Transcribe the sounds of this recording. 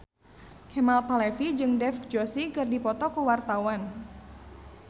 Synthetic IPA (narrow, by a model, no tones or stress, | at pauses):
kʰɛmalpalɛfid͡ʒɨŋdɛfd͡ʒosikɨrdipɔt̪ɔkuwart̪awan